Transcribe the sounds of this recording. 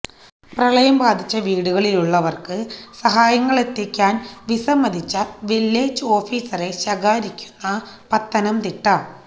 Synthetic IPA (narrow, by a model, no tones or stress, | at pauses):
prɐɭɐjɐmbaːd̪ʱit͡ɕːɐʋiːɽuɣɐɭiluɭːɐʋɐrkɨsɐɦaːjɐŋːɐɭet̪ːikʲːaːnʋisɐmːɐd̪ʱit͡ɕːɐʋilːeːt͡ɕːo̞ːfiːsɐre̞ɕɐɡaːɾikʲːu̥nːɐ | pɐt̪ːɐnɐmt̪iʈːɐ